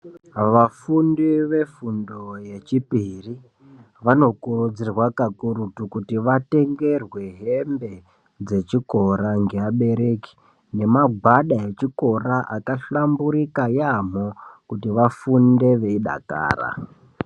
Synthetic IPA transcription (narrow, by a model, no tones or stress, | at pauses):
ʋafundiʋe̞fundo̞je̞t͡ʃipiri | ʋano̞kurud͡zirwakakuɾutukutiʋate̞ŋɡe̞rwe̞ɦembe̞ | d͡ze̞t͡ʃiko̞ɾaŋɡe̞aɓe̞ɾe̞ki̥ | ne̞maɡʱwaɗae̞t͡ʃiko̞raʔakaɬambuɾikajam̤okutiʋafunde̞ʋe̞iɗa̰ka̰ːra̰